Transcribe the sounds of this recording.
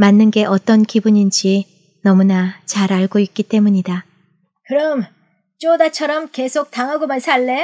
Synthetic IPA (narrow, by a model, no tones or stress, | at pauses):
manːɯnɡe̞ʔʌt͈ʌnkibuɲind͡ʑi | nʌmunat͡ɕaɾaɭɡoik̚k͈it͈e̞muɲida | kɯɾʌm | t͡ɕ͈odat͡ɕʰʌɾʌmke̞sʰok̚taŋɦaɡomansʰaɭːe